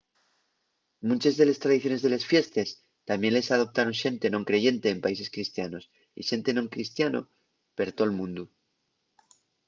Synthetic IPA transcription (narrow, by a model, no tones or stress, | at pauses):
mũnt͡ʃe̞zðe̞le̞st̪ɾaðiθjo̞ne̞zðele̞sfje̞st̪e̞s | t̪amje̞nle̞sað̞o̞p̚t̪aɾo̞nʃe̞nt̪e̞no̞ŋkɾe̞ʝe̞nt̪e̞ːmpaise̞skɾist̪jano̞s | ḭʃe̞nt̪e̞no̞ŋkɾist̪jano̰ | pe̞ɾt̪o̞lmũnd̪u